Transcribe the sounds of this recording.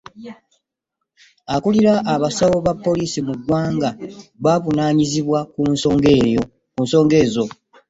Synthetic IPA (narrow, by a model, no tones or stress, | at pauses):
akuliɾaʔːβasawo̞βapːo̞liːsimuɡwaːŋɡaβaːβunaːɲiziβwakunsoŋɡeo | kunso̞ːŋɡe̞ːzo̞